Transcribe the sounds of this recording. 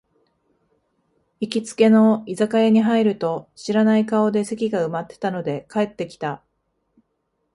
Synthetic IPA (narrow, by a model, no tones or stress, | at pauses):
ikʲit͡sɨ̥ke̞no̞izakaeɲ̟iɦaiɾɯ̟t̪o̞ɕiɾanaikao̞d̪e̞se̞kʲiɡaɯ̟mat̪ːe̥t̪ano̞d̪e̞kae̞t̪ːe̞kʲi̥t̪a